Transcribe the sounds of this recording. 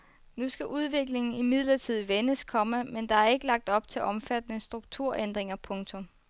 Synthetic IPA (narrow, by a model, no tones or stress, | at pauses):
nusɡ̥æʔuð̞ˠʋe̝ɡ̥le̝ŋn̩imið̞̰ˠlɐt͡sʰið̞̰ˠʋenəskʰɒ̽məmend̥ɑ̈æɐe̝ɡ̥əlɑ̈ɡ̥̚d̥ɒ̽b̥t͡sʰe̝lʔɒ̽mfæd̥ənəsd̥ʁuɡ̥̚t͡sʰuɐ̰ʔend̥ʁeŋɐpʰɔ̽ŋt͡sʰɔ̽m